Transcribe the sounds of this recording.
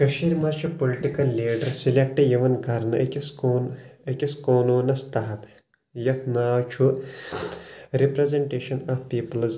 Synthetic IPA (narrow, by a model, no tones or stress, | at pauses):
kɐʃiːɾmat͡ʃʰupoliʈikɐlːiːɖɐɾsilek̚ʈɐjɐʋɐnɡʱɐɾnɐʔɐkʲiskoːnɐkʲiskoːnoːnɐst̪ɐɦɐt̪ | jɐt̪ʰnaːwt͡ʃʰu | ɾipɾezeɳʈeːʃɐnaːfpiːpɐlz